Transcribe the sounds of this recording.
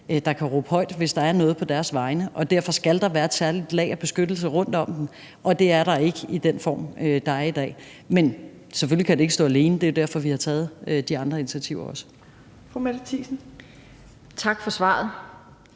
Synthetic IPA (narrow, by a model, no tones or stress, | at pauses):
d̥ɑ̈kʰæʁɔ̰ːb̥əhɒ̽ɪd̥ʋe̝sd̥ɑ̈æɐnɔ̽ːð̞̩ˠpʰɒ̽d̥æɐsʋɑ̈ɪnəʔɒ̽d̥æɐfɒ̽sɡ̥æld̥ɑ̈ʋæːɐed̥sæɐlid̥lɛ̰ːɪɒb̥e̝sɡ̥ød̥l̩s̬əʁɔ̽n̰d̥ɒ̽m̰d̥n̩ | ʔɒ̽d̥e̝æɐɾɑ̈e̝ɡ̥əid̥enfɒ̰ːmød̥ɑ̈æɐid̥ɛ̰ː | men | sefølikʰæd̥e̝e̝ɡ̥sɔ̰̽ːæle̝ːnəd̥e̝jo̝d̥æɐ̰fɒ̽ʋihɑ̈t͡sʰɛːð̞̩ˠød̥iɑ̈nd̥ʁɐinit͡sʰiæt͡sʰiʊɐɒ̽sə̥ | fʁomed̥t͡sʰiːsn̩ | t͡sʰɑ̈ɡ̥fɒ̽sʋɑ̰̈ːð̩ˠ